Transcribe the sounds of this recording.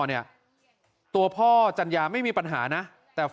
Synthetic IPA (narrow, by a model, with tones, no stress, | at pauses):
ni˥˩ɐ | t̪u˧ɐpʰɔː˥˩t͡ɕa˧njaː˧ma˥˩jmiː˧pa˧nɦaː˩˦na˦˥ | t̪ɛː˨˩